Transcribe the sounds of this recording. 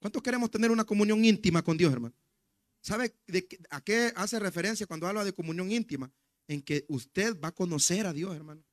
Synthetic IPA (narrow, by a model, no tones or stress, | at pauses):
kwant̪oskeɾe̞mo̞st̪ene̞ɾunako̞mũnjo̞ŋint̪imako̞nd̪jo̞s̬eɾmano | saβe̞ðekake̞ase̞re̞fe̞ɾe̞ns̬jakwand̪oaβlaðe̞ko̞mũnjo̞ŋint̪ima | eŋke̞ust̪e̞ðbako̞no̞se̞ɾaðjo̞se̞ɾmano